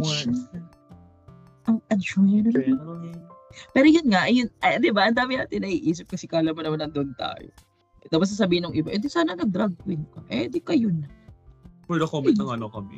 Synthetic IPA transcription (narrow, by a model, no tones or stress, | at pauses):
ʔɐŋʔɐd̪t͡ʃoɐnʊn | pɛːɾojʊnŋaʔɐjʊnʔɐd̪ɪbaʔɐnd̪aːmɪna̰ːt̪ɪnːɐʔiʔiːsɪp̚kɐsɛkaʔɐlamːɐnɐmanːɐnd̪oʔnt̪a̰ːjo̰ | d̪abɐs̬ɐs̬ɐbiːhɪnʊŋʔɪbaʔʊnd̪ɪsaːnɐnɐɡ̚d̪ɾaɡ̚kwɪnkɐʔɛd̪ɪkɐjʊnɐ | pwɛːd̪ɛkomɛɐŋɐnokɐmɛ̰